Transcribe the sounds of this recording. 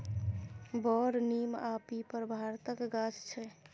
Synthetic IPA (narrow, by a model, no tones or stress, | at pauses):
bɔɾnimapipəɾbʱaɾt̪əkɡad͡ʒt͡ʃʰɛ